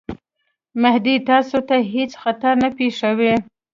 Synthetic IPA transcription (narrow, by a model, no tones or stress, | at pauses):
mahd̪it̪ɑsot̪aɦet͡sxat̪aɾnapeʂawe